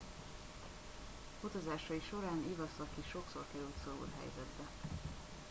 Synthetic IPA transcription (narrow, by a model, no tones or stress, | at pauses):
ut̪ozaːʃɒiʃo̞ɾaːnivɒsɒkiʃo̞kso̞rkɛɾylt̪soɾṵlɦɛ̰jzɛd̪bɛ